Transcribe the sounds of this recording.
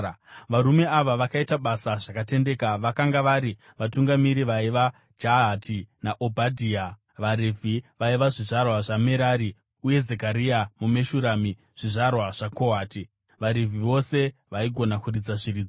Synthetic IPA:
ʋaɾume̞aʋaʋakaitaɓasaʐakate̞nde̞ːkaʋakaŋɡaʋaɾi | ʋatuŋɡamiɾiʋaiʋa | d͡ʒatʰinaʔobʱadʱiːa | ʋaɾivʱiʋaiʋaʐiʐarwaʐame̞ɾaːɾi | uje̞zekaɾiamume̞ʃuɾami | ʐ̥iʐarwaʐ̥ako̞ɦaːti | ʋaɾivʱiʋo̞se̞ʋaiɡʱo̞nakurid͡zaʐiɾiːd͡zo

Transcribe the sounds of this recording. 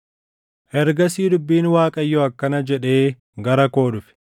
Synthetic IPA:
ʔɛɾɡɐsiːd̪ʊbːiːnwaːkʼɐjːɔɐkːɐnɐd͡ʒɛᶑe̞ː | ɡɐɾɐko̞ːdʊfɪ̥

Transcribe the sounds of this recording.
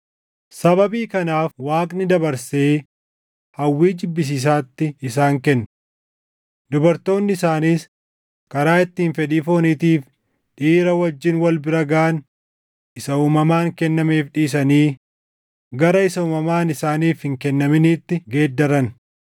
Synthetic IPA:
sɐbɐbiːkɐnaːfwaːkʼnɪd̪ɐbɐɾseː | hɐwːiːd͡ʒɪbːɪs̬iːs̬aːt̪ːɪɪsaːŋkɛnː | d̪ʊbɐɾt̪o̞ːnːɪɪsaːniːs | kɐɾaːɪt̪ːiːnfɛᶑ̪iːfo̞ːniːt̪iːf | ᶑiːɾɐwɐd͡ʒːɪnwɐlbɪɾɐɡaːn | ɪsɐuːmɐmaːŋkɛnːɐme̞ːfᶑiːs̬ɐniː | ɡɐɾɐɪsɐuːmɐmaːnɪsaːniːfhɪŋkɛnːɐmɪniːt̪ːɪɡe̞ːd̪ːɐɾɐn

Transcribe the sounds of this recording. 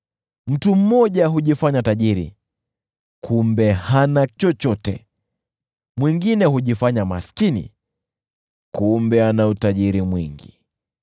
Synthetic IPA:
m̩tum̩mɔʄaɦuʄifaɲataʄiɾḭ | kʰumbɛhanat͡ʃɔt͡ʃɔtɛ̰ | mwiŋɡinɛhuʄifaɲamasi̥kinḭ | kumbɛanautaʄiɾimwḭŋɡḭ

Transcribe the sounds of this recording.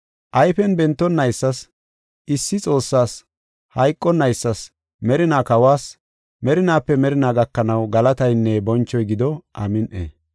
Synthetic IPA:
ʔɐjfɛnbɛnt̪ːɔnːɐjsːɐs | ʔɪsːɪt͡sʼo̞ːsːaːs | hɐjkʼːɔnːɐjsːɐs | mɛɾɪnaːkɐwaːs | mɛɾɪnaːpːɛmɛɾɪnaːɡɐkːɐnɐwɡɐlɐt̪ɐjnːɛbɔnt͡ʃːɔjɡɪd̪ɔʔɐ̰mɪnʔḛː

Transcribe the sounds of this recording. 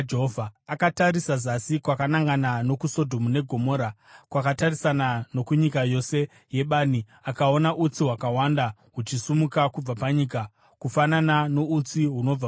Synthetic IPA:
d͡ʒeɦovʱaːkataɾisazasikwakanaŋɡanano̞kuso̞dʱo̞mune̞ɡʱo̞mo̞ːɾakwakatarisanano̞kuɲikajo̞se̞ | je̞ɓaːni | akao̞naʔut͡siɦwakawanda | ɦut͡ʃisumukakub͡vapaɲiːka | kufananano̞ut͡siɦuno̞a

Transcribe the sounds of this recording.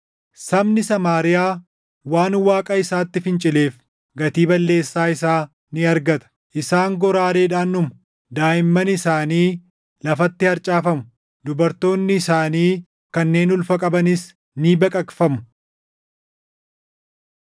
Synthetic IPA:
sɐbnɪsɐmaːɾɪjaː | waːnwaːkʼɐɪsaːt̪ːɪfɪnt͡ʃʼɪle̞ːf | ɡɐt̪iːbɐlːe̞ːsːaːɪsaː | nɪɐɾɡɐt̪ɐ̥ | ʔɪsaːŋɡɔɾaːɾe̞ːᶑaːnːʊmʊ | d̪aːjɪmːɐnɪsaːniː | lɐfɐt̪ːɪɐɾt͡ʃʼaːfɐmʊ | d̪ʊbɐɾt̪o̞ːnːɪːsaːniː | kɐnːe̞ːnʊlfɐkʼɐbɐnɪs | niːbɐkʼɐkfɐmʊ

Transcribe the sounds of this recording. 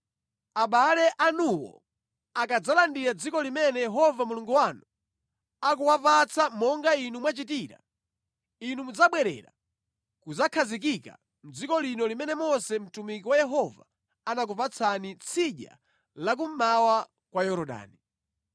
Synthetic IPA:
aɓalɛʔanuwɔ̰ | akad͡zalandiɾad͡zikɔlimɛnɛjɛɦɔvamuluŋɡuwanu | ak̬uwapat͡sʰamɔŋɡainumwat͡ʃit̬iːɾa̰ | inumud͡zaɓwɛɾɛ̰ɾa̰ | kud͡zakʰazik̬ika̰ | m̩d͡zikɔlinɔlimɛnɛmɔsɛm̩tumikiwajɛɦɔva | anak̬upat͡sʰanit͡sʰiʄa̰ | lak̬um̩mawa | kwajɔɾɔɗa̰ːni

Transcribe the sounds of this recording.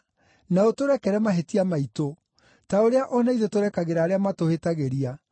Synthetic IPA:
naotoɾɛkɛɾɛmaɦetiamaito | taoɾeaʔɔnaiðetoɾɛkaɣeɾaːɾeamatohetaɣeɾia

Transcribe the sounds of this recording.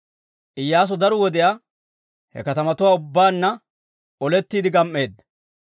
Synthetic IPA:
ʔɪjːaːs̬ɔd̪ɐɾɔwɔd̪ɛjaː | hɛ̰kɐt̪ɐmɐt̪ʊwaːʊbːaːnːɐ | ɔlɛt̪ːiːd̪ɪɡɐmʔːe̞ːd̪ːɐ

